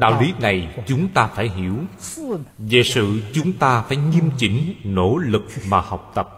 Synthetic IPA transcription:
ɗa̰ː˧˨wli˨˦na˨˩jt͡ɕʊ˨˦ŋ͡mt̪aː˧faː˧˩jɦi˧˩˥əw | ve˨˩sɨ̰˧˨t͡ɕʊ˨˦ŋ͡mt̪aː˧faː˧˩jɲi˧əmt͡ɕï˧˥˦ŋ̟no̰˧˥lɨ˨˩k̚maː˨˩ha˨˩wk͡p̚t̪ə˨˩p̚

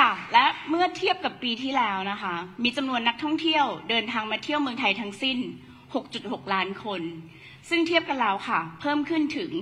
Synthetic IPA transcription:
kʰa˥˩lɛ˦˥mɯ˥˩ət̪ʰi˥˩əp̚ka˨˩pːiː˧t̪ʰiː˥˩lɛː˦˥wna˦˥kʰa˦˥miː˧t͡ɕa˧mnu˧ənːa˦˥k̚t̪ʰɔ˥˩ŋt̪ʰi˥˩əwdɤː˧nt̪ʰaː˧ŋmaː˧t̪ʰi˥˩əwmɯ˧əŋt̪ʰa˧jt̪ʰa˦˥ŋsi˥˩n | ho˨˩k̚t͡ɕu˨˩t̪̚ho˨˩k̚laː˦˥nkʰo˧n | sɯ˥˩ŋt̪ʰi˥˩əp̚ka˧nlɛː˦˥wkʰa˥˩pʰɤː˥˩mkʰɯ˥˩nt̪ʰɯ˩˦ŋ

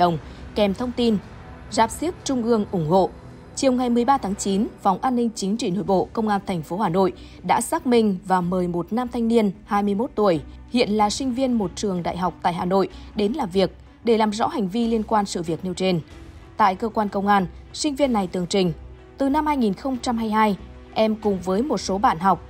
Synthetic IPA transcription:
ɗə˨˩wŋ͡mkɛ˨˩mt̪ʰə˧wŋ͡mt̪i˧n | zaː˨˩p̚si˦˥əp̚t͡ɕʊ˧ŋ͡mʔɨ˧əŋʔʊ˧˩ŋ͡mho̰˧˨ | t͡ɕi˨˩əwŋa˨˩jmɨ˨˩əjɓaː˧t̪ʰaː˨˦ŋt͡ɕi˨˦nva˨˩wŋ͡mʔaː˧nːï˧ŋ̟t͡ɕï˨˦ŋ̟t͡ɕḭ˧˨no̰˧˨jɓo̰˧˨kə˧wŋ͡mʔaː˧nt̪ʰɛ˨˩jŋ̟fo˨˦haː˨˩no̰˧˨j | ɗa̰ː˧˥saː˦˥k̚mï˧ŋ̟vaː˨˩məː˨˩jmo˨˩t̚naː˧mt̪ʰa˧jŋ̟ni˧ənhaː˧jmɨ˧əjmo˦˥t̚t̪u˧˩əjhḭ˧˨ənlaː˨˩sï˧ŋ̟vi˧ənmo˨˩t̚t͡ɕɨ˨˩əŋɗa̰ː˧˨jɦa˨˩wk͡p̚t̪a̰ː˧˨jɦaː˨˩no̰˧˨jɗe˨˦nlaː˨˩vi˨˩ək̚ | ɗe˧˩laː˨˩mzɔ̰˧˥ha˨˩jŋ̟vi˧li˧ənkwaː˧nsɨ̰˧˨vi˨˩ək̚ni˧əwt͡ɕe˧nt̪a̰ː˧˨jkəː˧kwaː˧nkə˧wŋ͡mʔaː˧n | sï˧ŋ̟vi˧ənːa˨˩jt̪ɨ˨˩əŋt͡ɕï˨˩ŋ̟ | t̪ɨ˨˩na˧mhaː˧jŋi˨˩nxə˧wŋ͡mt͡ɕa˧mɦaː˧jɦaː˧j | ʔɛ˧mkʊ˨˩ŋ͡mvəː˨˦jmo˨˩t̚so˨˦ɓa̰ː˧˨nɦa˨˩wk͡p̚

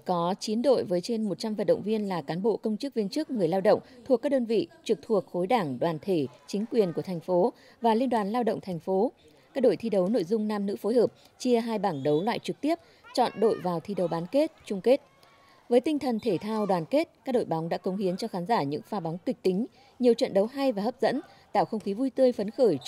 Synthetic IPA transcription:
kɔ˨˦t͡ɕi˨˦ənɗo̰˧˨jvəː˨˦jt͡ɕe˧nmo˨˩t̚t͡ɕa˧mvə˨t̚ɗə̰˧˨wŋ͡mvi˧ənlaː˨˩kaː˨˦nɓo̰˧˨kə˧wŋ͡mt͡ɕɨ˦˥k̚vi˧ənt͡ɕɨ˦˥k̚ŋɨ˨˩əjlaː˧wɗə̰˧˨wŋ͡mt̪ʰu˨˩kːaː˦˥k̚ɗəː˧nvḭ˧˨t͡ɕɨ˨˩k̚t̪ʰu˨˩ək̚xo˨˦jɗaː˧˩ŋɗwaː˨˩nt̪ʰe˧˩t͡ɕï˨˦ŋ̟kwi˨˩ənku˧˩ət̪ʰjŋ̟fo˨˦ | vaː˨˩li˧ənɗwaː˨˩nlaː˧wɗə̰˧˨ŋ͡mt̪ʰɛ˨˩jŋ̟fo˨˦ | kaː˦˥k̚ɗo̰˧˨jt̪ʰi˧ɗə˨˦wno̰˧˨jzʊ˧ŋ͡mnaː˧mnɨ̰˧˥fo˨˦jɦhəː˨˩p̚ | t͡ɕi˧əɦaː˧jɓaː˧˩ŋɗə˨˦wlwa̰ː˧˨jt͡ɕɨ˨˩k̚t̪i˦˥əp̚ | t͡ɕɔ̰˧˨nɗo̰˧˨jvaː˨˩wt̪ʰi˧ɗə˨˦wɓaː˨˦nke˦˥t̚t͡ɕʊ˧ŋ͡mke˦˥t̚ | vəː˨˦jt̪ï˧ŋt̪ʰə˨˩nt̪ʰe˧˩t̪ʰaː˧wɗwaː˨˩nke˦˥t̚kaː˦˥k̚ɗo̰˧˨jɓa˨˦wŋ͡mɗa̰ː˧˥kə˨˦ŋ͡mhi˨˦ənt͡ɕɔ˧xaː˨˦nzaː˧˩ɲɨ̰˧˥ŋfaː˨˦ɓa˨˦wŋ͡mkï˨˩k̚t̪ï˨˦ŋ̟ | ɲi˨˩əwt͡ɕə̰˧˨nɗə˨˦wɦa˧jvaː˨˩həː˦˥p̚zə̰˧˥n | t̪a̰ː˧˨wxə˧wŋ͡mxi˨˦vu˧jt̪ɨ˧əjfə˨˦nxəː˧˩j

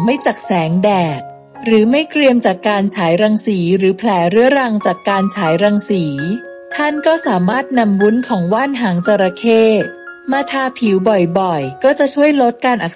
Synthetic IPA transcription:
ma˥˩jt͡ɕa˨˩k̚sɛː˩˦ŋdɛː˨˩k̚ | ɾɯː˩˦ma˥˩jkɾi˧əmt͡ɕaː˨˩kːaː˧nt͡ɕʰaː˩˦jɾa˧ŋsiː˩˦ɾɯː˩˦pʰlɛː˩˦ɾɯ˩˦˥əɾa˧ŋt͡ɕaː˨˩kːaː˧nt͡ɕʰaː˩˦jɾa˧ŋsiː˩˦ | t̪ʰa˥˩nkɔː˥˩saː˩˦maː˥˩t̪̚na˧mwu˦˥nkʰɔː˩˦ŋwaː˥˩nɦaː˩˦ŋt͡ɕa˧ɾa˧kʰeː˥˩maː˧t̪ʰaː˧pʰiː˨˩˦wbɔ˨˩jbɔ˨˩jkɔː˥˩t͡ɕa˨˩t͡ɕʰu˥˩əjlo˦˥t̪̚kaː˧nʔa˨˩k̚

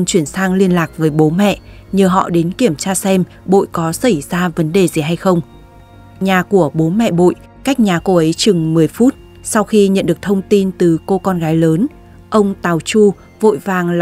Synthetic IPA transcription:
nt͡ɕwi˧˩ənsaː˧ŋli˧ənlaː˨˩k̚vəː˨˦jɓo˨˦mɛ̰˧˨ʔ | ɲəː˨˩ɦɔ̰˧˨ɗe˨˦nki˧˩əmt͡ɕaː˧sɛ˧m | ɓo̰˧˨jkɔ˨˦sə˧˩jzaː˧və˨˦nɗe˨˩zi˨˩ɦa˧jxə˧wŋ͡m | ɲaː˨˩ku˧˩əɓo˨˦mɛ̰˧˨ɓo̰˧˨j | kaː˦˥k̚ɲaː˨˩ko˧ʔə˨˦jt͡ɕɨ˨˩ŋmɨ˨˩əjfu˦˥t̚ | sa˧wxi˧ɲə̰˧˨nɗɨ˨˩ək̚t̪ʰə˧wŋ͡mt̪i˧nt̪ɨ˨˩ko˧kɔ˧nɣaː˨˦jləː˨˦n | ʔə˧wŋ͡mt̪aː˨˩wt͡ɕu˧ | vo̰˧˨jvaː˨˩ŋ

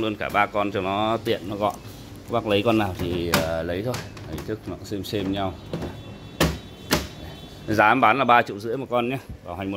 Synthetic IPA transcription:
lɨ˧ənkaː˧˩ɓaː˧kɔ˧nt͡ɕɔ˧nɔ˨˦t̪ḭ˧˨ənːɔ˨˦ɣɔ̰˧˨n | a˧˦ɓa˦˥k̚lə˨˦jkɔ˧nːaː˨˩wt̪ʰi˨˩ə˨˩lə˨˦jt̪ʰo˧jt̪ʰə˨˩jt̪ʰɨ˦˥k̚nɔ˨˧˩sɛ˧mse˧mɲa˧wa˧˦˨ | zaː˨˦˨ɓaː˨˦nlaː˨˩ɓaː˧t͡ɕḭ˧˨wzɨ̰˧˥əjmaː˨˩kɔ˧nɲaː˧˦vaː˨˩ha˨˩jmo˨˩

